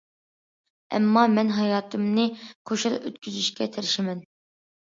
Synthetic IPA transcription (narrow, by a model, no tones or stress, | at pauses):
ɛ̰mːɑmɛnɦɑjɑːt̪ʰɨmnɨqʰoʃɨɾø̰t̪̚kʲʰyzyʃkʲɛt̪ʰɪɾɪʃɪmɛn